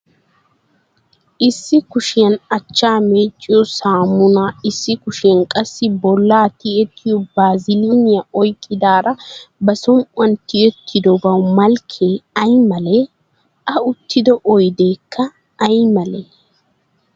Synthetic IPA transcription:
ʔɪsːɪkʊʃɪjɐnɐt͡ʃːaːmeːt͡ʃʼːɪjɔsaːmʊnaːɪsːɪkʊʃɪɐnkʼɐsːɪbɔlːaːt̪ɪɛt̪ʰːɪjɔbaːzɪlonɪjɐʔɔjkʼːɪd̪aːɾɐbɐsɔŋkʼwɐnt̪ɪɛt̪ʰːɪd̪ɔbɐwmɐlkʰːeːɐjmɐle | ʔɐʊt̪ːɪd̪ɔʔɔjd̪e̞ːkʰːɐː | jmɐle

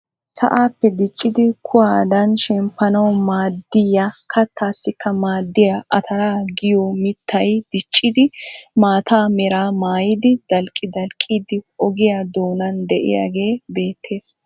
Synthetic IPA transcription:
sɐ̰ʔaːpːɛd̪ɪt͡ʃʼːɪd̪ɪkʰʊwaːd̪ɐnʃɛmpːɐnɐwmaːd̪ːɪjakʰɐt̪ʰːaːsːɪkːɐmaːd̪ːɪjɐʔɐt̪ʰɐɾaːɡɪjɔmɪt̪ːɐjd̪̥ɪt͡ʃʼːɪd̪ɪmaːt̪ʰaːmɛɾaːmaːjɪd̪ɪd̪ɐlkʼːɪd̪ɐlkʼːiːd̪ɪɔɡɪjaːd̪o̞ːnɐnd̪ɛʔɪ̰ja̰ɡe̞ːbe̞ːt̪ʰːe̞ːs

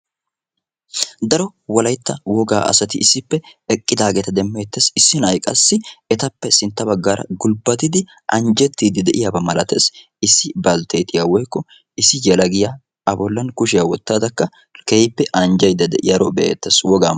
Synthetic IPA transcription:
d̪ɐɾɔwɔlɐjt̪ːɐwɔɡaːʔɐ̰sɐt̪ɪɪsːɪpːɛɛkʼːɪd̪aːɡɛt̪ɐd̪ɛmːeːt̪ːesɪsːɪnɐjkʼɐsːɪɛt̪ɐpːɛsɪnt̪ːɐbɐɡːaːɾɐ̰ɡʊlbɐt̪ɪd̪ɪ | ʔɐnd͡ʒɛt̪ːiːd̪ɪd̪ɛʔɪjaːbɐmɐlɐt̪ḛːs | ɪsːɪbɐlt̪ʰeːt̪ɪjawɔjkːɔ | ɪsːɪjɐlɐɡɪjaː | ɐbɔlːɐnkʊʃ̬ɪjawɔt̪ːaːd̪ɐkːɐ | kejpːɛʔɐnd͡ʒɐjd̪ːɐd̪ɛʔɪ̰jɐɾɔbɛʔḛt̪ːeswɔɡaː

